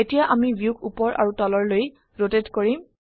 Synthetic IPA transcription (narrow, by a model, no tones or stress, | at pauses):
etijaʔamibjukʰupɔɹʔa̰ɹutɔlɔɹloj | ɹotetkoɹim